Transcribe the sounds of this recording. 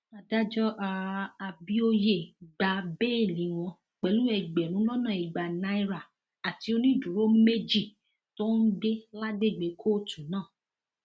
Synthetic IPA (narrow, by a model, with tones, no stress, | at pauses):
a˧da˦d͡ʒɔ˦ʔa˧a˧bi˦o˦je˦˨ɡ͡ba˧be˦˨lĩ˨˦w̃ɔ̃˧ | k͡pɛ˨lu˦ɛ˧˨ɡ͡bɛ˨lũ˨˦lɔ˦nã˦˨i˨ɡ͡ba˨na˧˦i˦ɾa˦˨ | a˨ti˨˦o˧nĩ˦˨dũ˨ɾo˦me˦d͡ʒi˦˨ | to˦n̩˦de˦la˦de˦˨ɡ͡be˨˦kʰo˦˨tũ˨nãː˦˨